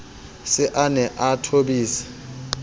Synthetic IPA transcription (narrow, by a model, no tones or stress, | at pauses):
sɪʔanɛʔatʰoɓiːsḁ